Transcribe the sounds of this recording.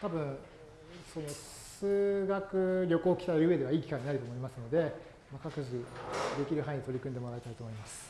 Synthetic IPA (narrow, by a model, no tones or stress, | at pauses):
t̪abɯ̟̃ɴ̃ | so̞no̞ | sɨɡakɯ̟ɾʲo̞ko̞ːkʲi̥t̪aɯɾɯ̟ɯe̞d̪e̞βaiːkʲi̥kaiɲːinaɾɯ̟t̪o̞ːmoimasɨno̞d̪e̞ | makakɯ̟d͡ʑiid̪e̞kʲiɾɯ̟ɦãid̪et̪o̞ɾʲikɯ̟nd̪e̞mo̞ɾait̪ait̪oːmo̞imasɨ̥